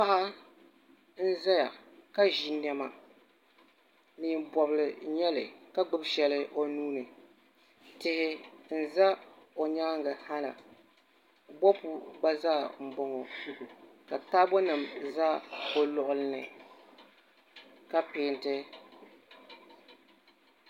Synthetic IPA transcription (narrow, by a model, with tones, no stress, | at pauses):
pa˦ʔa˦ | n̩˦za˦ja˨ka˦ʒi˦nɛ˦ma˨ | nɨ˨bɔ˨bɨ˨lɨ˨ɲɛ˦lɨ̰˨ka˦ɡ͡bɨ˦bʃɛ˨lɨ˦ʔo˦˨nuː˦nɨ˨ | tɪ˦hɪ˦n̩˦za˦o˨ɲa˦ŋɡa˨ha˦lɨ̰˨ | bɔ˦pu˦ɡ͡ba˦zaː˦˨m̩˨bɔ˦ŋɔ˨ | ka˨taː˦bɔ˦nɨ˨mzaː˦o˨lʊ˨ʔʊ˦lɨ˦nɨ˨ | ka˦pɪ˨˦ntɪ˦